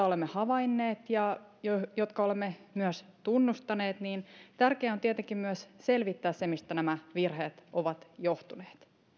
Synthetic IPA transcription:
ɑolemːehɑʋɑinːeːt̪jɑjojot̪kɑolemːemyœst̪unːust̪ɑneːt̪niːnt̪ærkeːot̪iet̪eŋkimmyæsse̞lʋit̪ːæːssemist̪ænæmæʋirheːt̪ʔoʋɑt̪joht̪uneːt̪

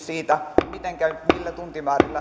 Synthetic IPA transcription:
siːt̪æmit̪eŋkæmilːæt̪unt̪imɑːrilːɑ

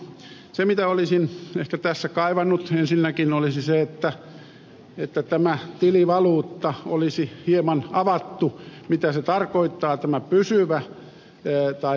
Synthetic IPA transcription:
semit̪æolisinehkæt̪æsːækɑiʋɑnːut̪ensinːækinolisiseet̪ːæ | et̪ːæt̪æmæt̪iliʋɑluːt̪ːɑolisihiemɑnɑʋɑt̪ːumit̪æset̪ɑrkoit̪ːɑːt̪æmæpysyʋæ | t̪ɑi

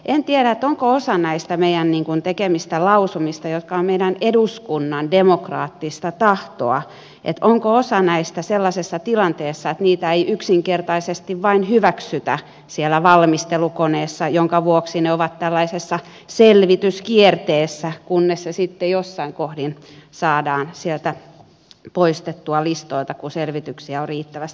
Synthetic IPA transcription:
ʔent̪ieɾæet̪oŋkoosɑnæist̪æmeijænniːŋkunt̪ekemist̪ælɑusumist̪ɑjot̪kɑommeiɾæneduskunːɑndemokrɑ̰ːt̪ːist̪ɑt̪ɑht̪o̰ɑ̰ | ʔḛt̪oŋkoosɑnæist̪æselːɑsesːɑt̪ilɑnt̪eːsːɑet̪niːt̪æeiʔyksiŋkert̪ɑisest̪iʋʋɑinhyʋæksyt̪æ̰ | sielæʋɑlmist̪elukoneːsːɑjoŋkɑʋuoksineoʋɑt̪t̪ælːɑisesːɑ | selʋit̪yskiert̪eːsːækunːessesit̪ːejosːɑiŋkohdinsɑːdɑːnsielt̪æ | poist̪et̪ːuɑlist̪oilt̪ɑkuselʋit̪yksiæorriːt̪ːæʋæst̪i

